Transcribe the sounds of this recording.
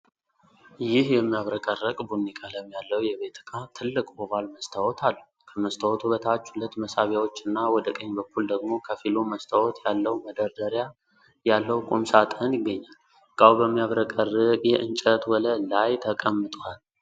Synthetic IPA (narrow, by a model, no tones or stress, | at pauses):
jɪhjɛmːijaβɾəkʼərːəkʼbunikʰʼaləmːjalːəwjɛβe̞t̪ʰɨkʰat̪ʰɨlːɨkʼbɔβalməst̪ʰəwɔt̪ʰalːu | kʰəməst̪ʰəwɔt̪ʰubət̪ʰat͡ʃːhulət̪məsaβjawo̞t͡ʃːɨnːawɔd̪əkʼəɲːbəkʰːuld̪əɡmo̞kʰəfiloməst̪ʰəwɔt̪ʰjalːəwməd̪əɾd̪əɾja | jalːəwkʼumsat̪ʼənjɪɡːəɲːal | kʼawbəmːijaβɾəkʼərːɨkʼjɛʔɨnt͡ʃʼət̪wɔləlajt̪ʰəkʼəmːɨt̪ʼwal